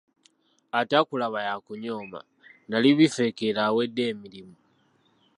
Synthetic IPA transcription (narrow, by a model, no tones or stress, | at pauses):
atakulaβajakuɲoːma̰ | naliβife̞kelawe̞dːe̞ːmilimu